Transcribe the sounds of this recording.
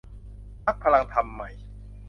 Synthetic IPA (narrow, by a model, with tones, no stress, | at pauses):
na˦˥k̚pʰa˧la˧ŋt̪ʰa˧mːa˨˩j